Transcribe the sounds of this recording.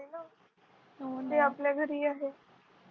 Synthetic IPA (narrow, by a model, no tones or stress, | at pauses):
elo | nõnd̪eaplaɡʱəɾiaːɦe